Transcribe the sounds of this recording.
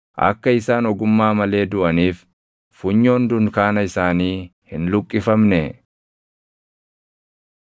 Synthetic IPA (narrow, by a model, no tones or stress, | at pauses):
ʔɐ̰kːɐɪsaːnɔɡʊmːaːmɐle̞ːd̪ʊʔɐniːf | fʊɲːo̞ːnd̪ʊnkaːnɐɪsaːniːhɪnlʊkʼːɪfɐmnɛ